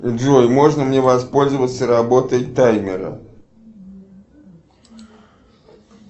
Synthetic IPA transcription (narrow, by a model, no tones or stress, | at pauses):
ɔjmɔʐnəmnʲɛvaspɔlʲzəvət̪səɾabɔt̪əjt̪ajmʲɪɾə̰